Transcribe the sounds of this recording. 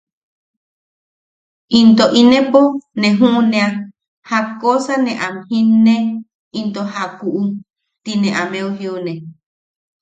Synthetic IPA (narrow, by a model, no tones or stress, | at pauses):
int̪oʔinẽponẽɦũʔnẽa | hakosanẽʔamhĩnːe | int̪oɦakuʔu | t̪inẽʔamẽoɦionẽ